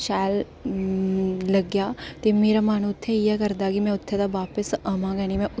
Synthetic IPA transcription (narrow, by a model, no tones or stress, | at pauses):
ʃaːl | lɐɡjaːt̪emeːɾamaːñũʊt̪ʰːɛɛkɐɾd̪akimɛ̃ʊt̪ʰːet̪aʋaːpəsɐmãɡɛːñimɛ̃ʊ